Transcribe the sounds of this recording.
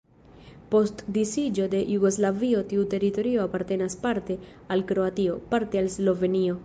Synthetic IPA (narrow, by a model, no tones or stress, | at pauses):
po̞stdisid͡ʒo̞de̞jʔuɡo̞zlavio̞tiute̞ɾito̞ɾio̞apaɾte̞naspaɾte̞ | alkɾo̞atio̞paɾte̞alslo̞ve̞nio̞